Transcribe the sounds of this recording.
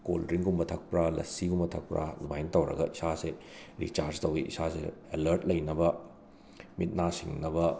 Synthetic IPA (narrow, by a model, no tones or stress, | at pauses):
ko̰lɾiŋɡumbɐtʰɐk̚pɾalɐ̰siɡumbɐtʰɐk̚pɾʔa̰numajntɐwɾɐ̰ɡɐisase | ɾḭt͡ʃaɾd͡ʒtɐwiʔḭsasḛelɐɾt̚lɐjnɐbɐ | mit̚nasiŋnɐbɐ